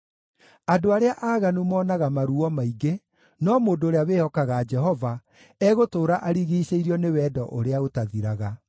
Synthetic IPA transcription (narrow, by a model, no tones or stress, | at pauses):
adoaɾeaʔaːɣanumɔːnaɣamaɾuɔmaiɡe | nɔmoːndoːɾeaweːhɔkaɣad͡ʒɛɦɔva | ɛɣotoːɾaʔaɾiɣiːɕeiɾiɔnewɛːdɔʔoɾeaɣotaðiɾaɣa